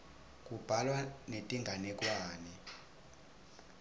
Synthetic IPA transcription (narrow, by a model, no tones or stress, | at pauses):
k̬ʼub̥ʱalwanetʼiŋɡʱanɛkʼwaːnɛ